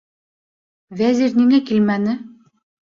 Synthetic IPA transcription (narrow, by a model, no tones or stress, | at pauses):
væziɾniŋækilmænɘ